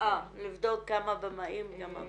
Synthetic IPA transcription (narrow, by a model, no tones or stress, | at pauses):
alivd̪o̞k̚kamabemaʔimkama̰